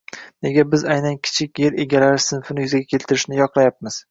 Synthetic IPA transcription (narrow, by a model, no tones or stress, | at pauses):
ne̞ɡʲabɪzajnankʲʰɪ̥t͡ʃʰɪkʲje̞ɾe̞ɡʲalaɾɪsɪnfɪnɪjʏzaɡʲakʲʰe̞lt̪ʰɪɾɪʃnɪjɒqlˠajap̚mɪz̥